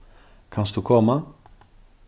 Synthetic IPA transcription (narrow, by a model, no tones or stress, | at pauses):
kʰansd̪ʉkʰɔmːa